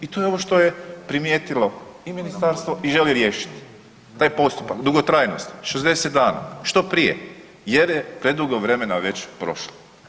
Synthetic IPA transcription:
it̪ojeo̞ʋo̞ʃt̪o̞je̞pɾimjeːt̪ilo̞iminist̪aɾst̪ʋoʔiʒe̞liɾje̞ːʃi̥t̪ | t̪aːjpo̞st̪upakd̪uɡot̪ɾaːjnost̪i̥ʃezd̪e̞set̪̚d̪aːna̰ʃt̪o̞pɾijḛ | jeɾjepɾed̪uɡoʋɾe̞me̞naʋe̞t͡ɕpɾo̞̰ʃlo

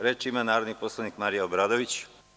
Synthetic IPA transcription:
ɾe̞ːt͡ʃimanaːɾod̪niposlˠanikmaɾijaobɾaːd̪oʋit͡ɕ

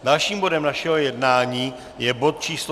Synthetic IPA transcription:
dalʃiːmbo̞dɛmnaʃɛɦojɛdnaːɲiː | jɛbo̞t̪̚t͡ʃiːsl

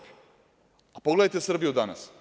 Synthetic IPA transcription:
apoɡleajt̪esr̩bijud̪ana̰s

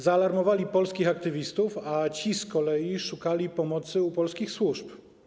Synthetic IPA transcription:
zaːlaɾmɔvalʲipɔlskʲixakt̪ɘvʲist̪ufat͡ɕiskɔlɛjiʂukalʲipɔmɔt̪sɘupɔlskʲixswuʂp

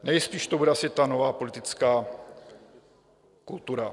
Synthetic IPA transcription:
nɛjspiːʃt̪obudɛasɪt̪anovaːpo̞lɪt̪ɪt͡skaː | kult̪uɾa

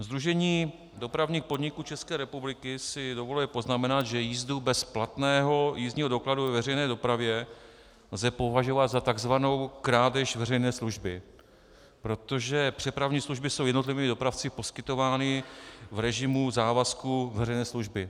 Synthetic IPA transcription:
zd̪ɾuʒɛɲiː | do̞pɾavɲiːxpo̞dɲɪkuːt͡ʃɛskɛːɾɛpublɪkɪsɪdo̞volɛlɪpo̞znamɛnat̪ʒɛjiːzdubɛsplat̪nɛːɦo̞jiːzɲiːɦo̞do̞kladuvɛvɛrɛjnɛːdo̞pɾavjɛ | lzɛpo̞vaʒo̞vat̪zat̪aɡzvano̞wkɾaːdɛʃvɛrɛjnɛːsluʒbɪ | pɾo̞t̪o̞ʒɛpr̥ɛpɾavɲiːsluʒbɪso̞wjɛdno̞t̪lɪviːmɪdo̞pɾaft͡sɪpo̞skɪt̪o̞vaːnɪvɾɛʒɪmuzaːvaskuvɛrɛjnɛːsluʒbɪ

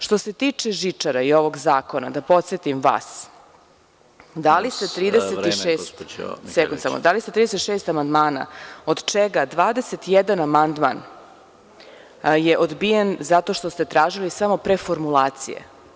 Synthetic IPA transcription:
ʃt̪o̞se̞t̪iːt͡ʂeʒit͡ʂaɾaio̞ʋo̞ɡzaːko̞na̰d̪apo̞t̪set̪imʋa̰ːs | d̪alist̪et̪ɾiːd̪eseiʃeːst̪sɛkund̪sa̰mo̰d̪aliset̪ɾiːd̪eset̪ʃeːst̪amand̪maːna̰od̪t͡ʃeɡad̪ʋaːd̪e̞se̞t̪jed̪anamand̪ma̰n | jeʔod̪bijenzat̪o̞ʃt̪ost̪e̞t̪ɾaːʒilisamo̞pɾefo̞ɾmulaːt̪sḭjḛ

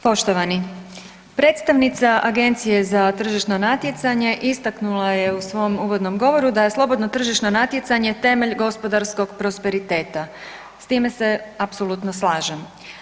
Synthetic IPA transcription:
po̞ʃt̪oʋani | pɾe̞ːt̪st̪aʋnit̪saʔaɡe̞nt̪sije̞zat̪r̩ʒiʃno̞nat̪je̞t̪saɲe̞ʔist̪aknulˠaje̞usʋo̞muːʋo̞d̪no̞mɡo̞ʋo̞ɾud̪aje̞slˠo̞bo̞d̪no̞t̪r̩ʒiʃno̞nat̪je̞t̪saɲe̞t̪e̞me̞ʎɡo̞spo̞d̪aɾsko̞ɡpɾo̞spe̞ɾit̪e̞ːt̪a | st̪iːme̞se̞apso̞lˠut̪noslˠaːʒem

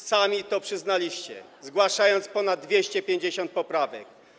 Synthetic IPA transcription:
samʲit̪ɔpʂɘznalʲiɕt͡ɕɛ̰zɡwaʂajɔnt̪spɔnad̪d̪ːvʲjeɕt͡ɕɛpʲjeɲd͡ʑeɕɔnt̪̚pɔpɾavɛ̰k̚

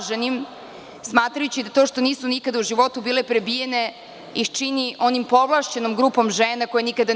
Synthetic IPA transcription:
ʒenim | smaːt̪ɾajut͡ɕid̪at̪o̞ːʃt̪o̞niːsunikad̪auʒiʋo̞t̪ubiːlepɾebijene̞ | ixt͡ʃiniʔo̞nimpo̞ʋlˠaʃt͡ɕe̞nomɡɾuːpo̞mʒeːnako̞jenikad̪a

